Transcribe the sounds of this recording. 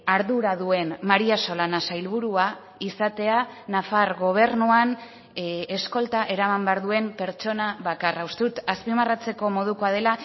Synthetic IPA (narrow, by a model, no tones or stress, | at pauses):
aɾðuɾaðue̞nmaɾiaso̞lanasajlβ̞uɾua | isat̪e̞anafarɣo̞β̞e̞rnuan | esko̞lt̪aʔe̞ɾamambe̞aɾðue̞mpe̞ɾt͡ʃo̞naβakaraust̪eut̪aspimarat͡se̞ko̞mo̞ð̞uko̞aðe̞la